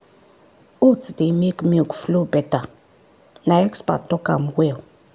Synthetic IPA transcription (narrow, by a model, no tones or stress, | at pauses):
utdemekmiukflobɛta | naɛkspa̰tɔka̰mwɛw